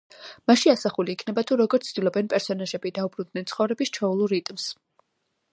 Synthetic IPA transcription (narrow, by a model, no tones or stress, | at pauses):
maʃiasaχuliːkʰnɛbat̪ʰuɾɔɡɔɾt̪ʰd̪̥ilˠɔbɛnpʼɛɾsɔnaʒɛbid̪aubɾund̪nɛnt̪sʰχɔvɾɛbist͡ʃʰɔulˠuɾit̪ʼms